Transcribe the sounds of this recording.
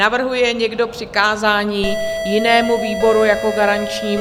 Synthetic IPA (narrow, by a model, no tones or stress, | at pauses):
avr̩ɦujɛɲɛɡdo̞pr̝̥ɪkaːzaːɲiːjɪnɛːmuviːbo̞ɾujako̞ɡaɾant͡ʃɲiː